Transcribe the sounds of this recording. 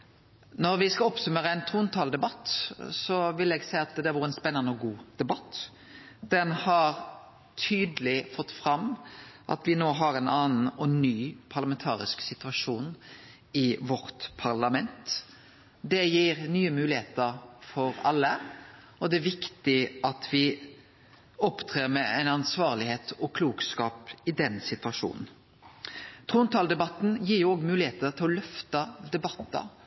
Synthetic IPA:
nɔɾʋɪskɑɔpsʉmeːɾəæɪnt̪ʰuːnt̪ʰɑːld̪ɛbɑt̪ːsɔʋɪlɛɡsæɪɑt̪d̪ɛæɾʋɔːɾəɛnspɛnːɑnəɔɡuːd̪̥ɛbɑt̪ː | d̪̥ɛnhɑɾ | t̪ʰyːd̪lɪfɔt̪ːfɾɑmʔɑ̰t̪ʋɪnoːɦɑɾɛnʔɑːnn̩ɔnyːpʰɑʁlɑmɛnt̪ʰɑ̰ːɾɪ̰sksɪt̪ʉɑʂuːn | ɪʋɔɾt̪pʰɑʁlɑmɛnt̪ | d̪ɛjiːɾnyːəmʉːlɪeːt̪əɾfɔɾɑ̰lːə | ɔd̪ɛæʋɪkt̪ɪʔɑt̪ʰʋɪ | ɔpt̪ʰʁeːɾmɛæɪnɑnsʋɑːʁlɪheːt̪ʰɔkʰluːkskɑːpɪd̪ɛnsɪt̪ʉɑʂṵːnn̩ | t̪ʰʁuːnt̪ʰɑːld̪ɛbɑt̪n̩jiːʁjʊːɔːɡmʉːlɪheːt̪ət̪ʰɪlɔlœft̪ɑd̪ɛbɑt̪ːɑ̰

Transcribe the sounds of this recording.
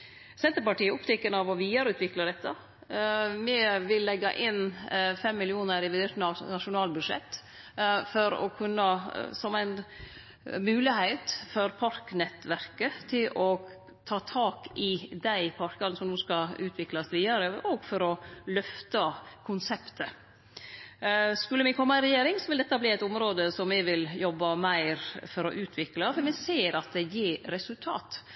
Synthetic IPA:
sɛnt̪əɾpɑʈiːəʊpt̪ʰɛkːənɑʋɔʋiːd̪ɑɾəʉːt̪ʋɪklɑd̪ɛt̪ːɑ | mɛʋɪlːɛɡːɑ̰ʔɪnfɛmːɪlɪuːnəɾɪʋɪd̪eːʂnɑnɑʂʊnɑːlbʉd̪ʂɛ̰t̪ː | fɔɾɔ̰kʰʉnːəsɔmæɪn | mʉːlɪhæɪt̪fɔɾpʰɑɾknɛt̪ʋæɾkət̪ʰɪlɔ | t̪ʰɑːt̪ʰɑːkɪd̪æɪpʰɑɾkɑləsɔmnuːskɑʉːt̪ʰʋɪklɑsʋiːd̪əɾəʔɔɡfɔɾɔlœft̪ɑkʰʊnsɛpt̪ə | skʉlːəmɪkʰɔmːɑɪnɾɛjeːɾɪŋsɔʋɪld̪ɛt̪ːɑbliːæɪt̪ʊmɾoːd̪əsɔmɪʋɪljɔbːɑmæɪɾfɔɾɔ̰ʔʉːt̪ʰʋɪklɑfɔɾmɛseːɾɑt̪̚d̪ɛjɪːɾɛsʉlt̪ʰɑ̰ːt̪

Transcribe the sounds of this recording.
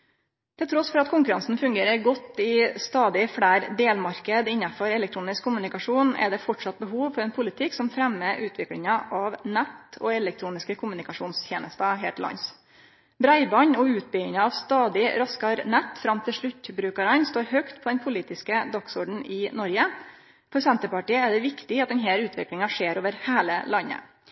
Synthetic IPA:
t̪ʰɪlt̪ʰɾɔsfɔɾɑt̪kʰʊŋkʉɾɑnsn̩fʉŋɡeːɾəɾɡɔt̪ːɪst̪ɑːd̪ɪfɽæːɾd̪eːlmɑɾkəd̪ɪnːɑfɔɾɛlɛkt̪ʰɾuːnɪskʰːʊmʉnɪkɑʂuːnɛ̰ɖ̪ɛfɔʈʂɑt̪̚bəɦuːʋfɔɾɛːnpʰʊlɪt̪ʰɪksɔmfɾɛmːəʔʉːt̪ʰʋɪklɪŋɑʔɑʋnɛt̪ɔɛlɛk̚t̪ʰɾuːnɪskəkʰʊmʉnɪkɑʂuːnst̪ʰjeːnəst̪ɑɦḛːʈ̪ɪlɑ̰ns | bɾæɪbɑɲɔʉːt̪̚bʏɪnəɑʋst̪ɑːd̪ɪɾɑskɑɾnɛt̪ːfɾɑmt̪ʰɪlʂɭʉt̪ːbɾʉːkəɾənst̪oːɾɦœkt̪pʰɔd̪ɛnpʰʊliːt̪ɪskəd̪ɑksɔɖɳ̩ʔɪnɔɾɡə | fɔɾsɛnt̪əpɑʈiːəɛɖ̪ɛʋɪkt̪ɪɑt̪̚d̪ɛnɦæːɾʉːt̪ʰʋɪ̰klɪŋɑʂeːɾoːʋəɾheːlə̰lɑnːə̰

